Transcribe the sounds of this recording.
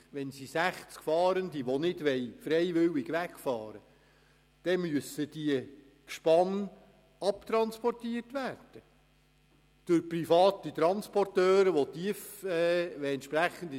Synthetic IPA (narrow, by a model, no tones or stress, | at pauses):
ʋɛnsisæχt͡skfɑːɾənd̪iʋonɪd̥ʋɛjfɾɛɪjʋɪwɪɡʋækfɑːɾə | d̥ɛmyəsːəd̥iə | kʃpɑn | ɑpt̪ɾɑnspɔrtiərtʋæːrd̥ə | d̥ʊɾprifɑːt̪it̪ɾɑnspɔrtøːɾəʋot̪iəfɛɛnt̪ʃpɾæχənd̪